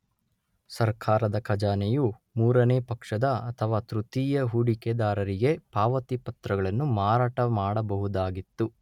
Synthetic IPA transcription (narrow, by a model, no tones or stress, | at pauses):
sɐɾkʰaːɾɐd̪ɐkʰɐd͡ʒaːnejumuːɾɐneːpɐkʂɐd̪ɐɐt̪ʰɐʋaːt̪ɾut̪iːjɐɦuɽiked̪aːɾɐɾiɡe̞paːʋɐt̪ipɐt̪ɾɐɡɐɭɐnːumaːɾaːʈɐmaːɽɐbɐɦud̪aːɡit̪ːu